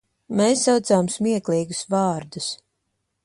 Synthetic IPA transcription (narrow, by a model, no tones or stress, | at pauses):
meːsːawt̪saːmsmiɛklˠiːɡusvɑːɾd̪us